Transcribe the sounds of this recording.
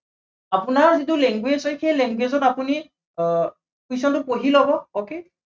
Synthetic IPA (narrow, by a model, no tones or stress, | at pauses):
apʊnaɹzitulɛŋɡwezɔjxejlɛŋɡwezɔtapuni | kis̬ɔntʊpoɦilɔbɔoke